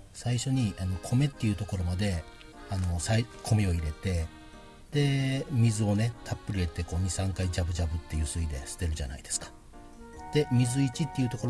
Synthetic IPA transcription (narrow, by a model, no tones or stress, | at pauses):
saiɕo̞ɲ̟iano̞kʰo̞me̞t̪ːeiɯ̟t̪o̞ko̞ɾo̞mad̪e̞ | ano̞saikʰo̞mio̞iɾe̞t̪e̞ | d̪̥e̞mʲizɨo̞ne̞t̪ʰapːɯ̟ɾie̞t̪e̞ko̞ːɲ̟isãŋkaid͡ʑabɯ̟d͡ʑabɯ̟t̪ːe̞jɯ̟sɨid̪e̞̰sɨ̥t̪e̞ɾɯ̟ʑa̰na̰id̪̥e̞sɨ̥kḁ | d̪̥e̞mʲizɨit͡ɕit̪ːe̞iɯ̟t̪o̞koɾ